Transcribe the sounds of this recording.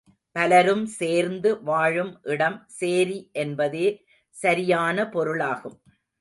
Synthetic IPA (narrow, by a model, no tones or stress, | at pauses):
pɐlɐɾɯmseːɾnd̪ɯʋaːɻɯmʔɪɽɐmseːɾiʔɛnbɐðeː | sɐɾɪjaːnɐpɔɾɯɭaːɣɯm